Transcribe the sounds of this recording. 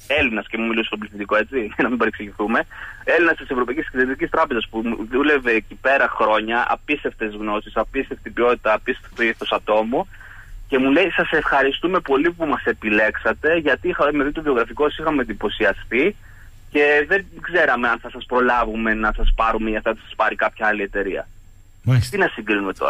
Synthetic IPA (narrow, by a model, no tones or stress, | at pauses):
elinɐscemumilisst̪obliθit̪iko̞e̞t͡siɐnɐmibeɾiksiʝiθume̞e̞linɐst̪isevɾo̞pɐicisklet̪t̪icist̪ɾɐpe̞zɐspuðule̞ve̞ːcipe̞ɾɐxɾo̞ɲɐʔɐ̰pist̪e̞ft̪ezɣno̞sisɐpist̪eft̪ibio̞t̪it̪ɐːpist̪e̥ft̪eiθo̞sɐt̪o̞mu | ce̞mule̞isɐse̞fxɐɾist̪ume̞po̞lipumɐse̞pile̞ksɐt̪e̞ʝɐt̪ixɐmeðit̪ovio̞ɣɾɐfikosixɐmend̪ipo̞siɐst̪i | ce̞ðe̞ɡze̞ɾɐme̞ɐnθɐsɐspɾo̞lɐvume̞nɐsɐspɐɾumeiɐft̪ɐt̪i̥sɐ̥spɐɾikɐpçɐɐlie̞t̪e̞ɾiɐ̰ | t̪inɐsiŋɡɾinume̞t̪o̞̰ɾɐ